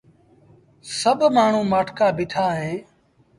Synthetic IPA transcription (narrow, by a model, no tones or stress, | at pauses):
səbʱmaːɳ̤ũːmaːʈʰkaːbɪʈʰaːɦẽː